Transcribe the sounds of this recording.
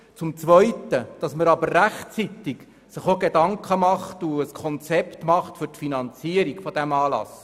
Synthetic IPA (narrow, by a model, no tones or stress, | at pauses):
t͡sʊmt͡sʋœjtəd̥ɑsməɾɑbəɾræχt͡sit̪ɪɡ | sɪχoɡedɑŋkχəmɑχtuəskʰɔnt͡sɛpt̪mɑχtfʏɾtfinɑnt͡siəɾiɡfɔd̥æmɑːlɑ̰s